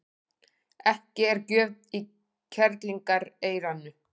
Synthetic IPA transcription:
ɛhcɪɛɾcœːvt̪i | cʰɛɾt̪liŋkaɾeːjɾanːʏ

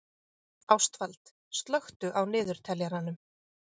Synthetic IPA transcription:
awst̪valt̪ | st̪lœxt̪ʏʔawnɪːðʏɾ̥t̪ʰɛljaɾanːʏm

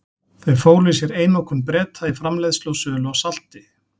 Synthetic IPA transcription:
θejfoːwlɪsɛɾeːjnɔwkʏnpɾɛːt̪ʰaɪfɾamlajðslowsœːlʏawsal̥t̪ɪ

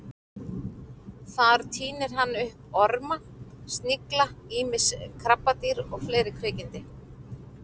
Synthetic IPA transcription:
θaɾ̥t̪ʰiːnɪɾ̥ɦanːʏhpɔɾma | st̪nɪklaiːmɪskʰɾapːat̪iɾɔɣfleːjɾɪkʰɾɪːcɪnt̪ɪ

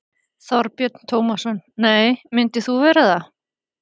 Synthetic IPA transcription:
θɔɾpjœt̪n̥t̪ʰoːwmasɔnːeːjmɪnt̪ɪθuvɛːɾaða

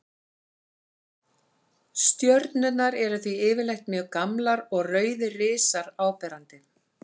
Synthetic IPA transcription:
st̪jœɾt̪nʏt̪naɾɛɾʏθviɪːvɪlejxt̪mjœːɣkamlaɾɔɣrœːɥðɪrɪːsaɾaːwpɛːɾant̪ɪ

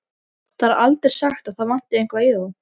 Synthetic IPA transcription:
θaɾaʔalt̪ɾɛɾ̥saxt̪aðθaðvan̥t̪ɪejŋ̥kvaɪða

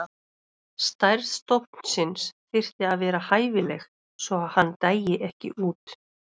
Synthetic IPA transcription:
st̪ajɾðst̪owhpn̥sɪnsθɪr̥t̪ɪaðvɛːɾahaːjvɪlɛ̰x | svɔaðhanːt̪aːjjɪʔɛhcɪ̰ʔuːt̪

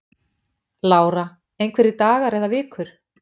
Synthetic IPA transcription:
laːwɾa | ejnkʰvɛɾɪt̪aːɣaɾɛðavɪːkʰʏɾ̥

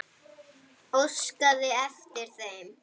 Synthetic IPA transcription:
owskaðɪɛft̪ɪɾ̥θejm

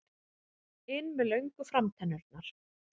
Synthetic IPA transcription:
ɪnːmɛðlœɥŋkʏfɾamt̪ʰɛnːœɾt̪̚naɾ̥

